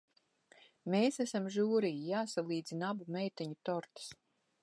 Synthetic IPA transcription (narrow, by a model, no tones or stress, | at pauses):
meːsæsamʒuːɾijijaːsalˠiːd̪zinabumɛjt̪ɛɲut̪ɔɾt̪ḁs